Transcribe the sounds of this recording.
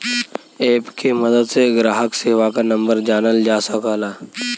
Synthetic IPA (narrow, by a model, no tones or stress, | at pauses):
eːpkemɐd̪əd̪seɡɾaːɦəkseːʋakanə̃mbəɾd͡ʒaːnəld͡ʒaːsəkalaː